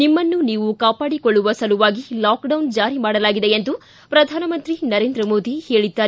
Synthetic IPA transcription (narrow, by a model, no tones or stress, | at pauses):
nimːɐnːuniːʋukaːpaːɽikɔɭːuʋɐsɐluʋaːɡilaːkɖɐwnd͡ʒaːɾimaːɽɐlaːɡid̪eend̪u | pɾɐd̪ʱaːnɐmɐnt̪ɾinɐɾeːnd̪ɾɐmoːd̪ʱihe̞ːɭid̪ːaː